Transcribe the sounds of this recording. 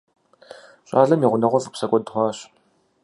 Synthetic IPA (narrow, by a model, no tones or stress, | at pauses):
ɕʼaːɮɐmiːʁʷʊnɐʁʷɔzʼɨpsɐkʷʼɔdχʷɑːɕ